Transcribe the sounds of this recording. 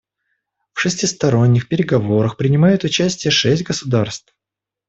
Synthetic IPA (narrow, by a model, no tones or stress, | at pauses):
fʂɨsʲtʲɪst̪ɐɾo̞nʲːɪxpʲɪɾʲɪɡɐvo̞ɾəxpɾʲɪnʲɪmajʊt̪ʊt͡ɕæsʲtʲɪjəʂɛsʲtʲɡəsʊd̪arst̪f